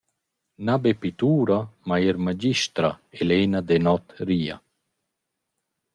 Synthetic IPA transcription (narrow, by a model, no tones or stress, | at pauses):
nabepit̪uːɾamaiɾmad͡ʒiʃt̪ɾaeleːnad̪ɛnɔt̪riːa̰